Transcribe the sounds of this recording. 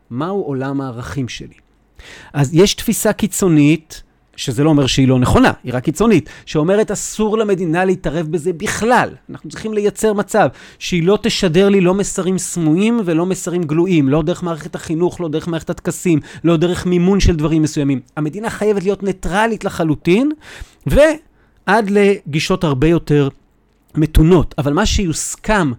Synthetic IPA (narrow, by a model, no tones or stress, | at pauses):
mauʔo̞lamaːʁaχimʃḛli | ʔazje̞ʃtfisakit͡so̞nit̪ | ʃezeloːme̞ʁʃeilo̞neχo̞na̰iʁakːit͡so̞nitʃeo̞me̞ʁe̞tasuʁlame̞dinaleitaʁe̞fbeze̞biχlalanʔaχnut͡sʁiχimle̞jat͡se̞ʁmat͡sav | ʃeilo̞teʃade̞ʁlilo̞mesaʁimsmuimve̞lo̞mesaʁimɡluʔimlo̞deʁeχmaːʁeχethaχinuχlo̞de̞ʁemaːeχetat̪kasimlo̞de̞ʁe̞χmimunʃeldvaʁimːesujamimame̞dinaχajevetlijotne̞tʁalitleχalutin | ve̞ | ʔadle̞ɡiʃo̞thaʁbe̞jo̞te̞ʁ | me̞tuno̞tavalmaʃejuskam